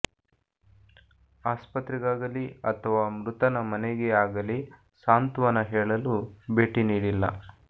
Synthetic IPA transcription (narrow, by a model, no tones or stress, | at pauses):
aːspɐt̪ɾiɡaːɡɐliɐt̪ʰɐʋaːmɾut̪ɐnɐmɐneɡeaːɡɐli | saːnt̪uʋɐnɐɦɛːɭɐlubeːʈiniːɽilːɐ̰